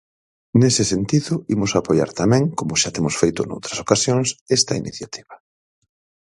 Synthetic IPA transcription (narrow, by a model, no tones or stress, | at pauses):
nesɪsent̪iðʊimʊsapoja̰ɾt̪amɛ̃ŋkomʊʃat̪emʊsfejt̪ʊno̰wt̪ɾɐsokasjoŋsest̪ɐinʔḭθjat̪ʰiβɐ